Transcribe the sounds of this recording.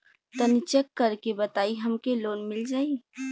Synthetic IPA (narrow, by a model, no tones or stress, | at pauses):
t̪ənɪt͡ʃəkːəɾkebɐt̪aːiɦɐmkeloːnmɪld͡ʒaːi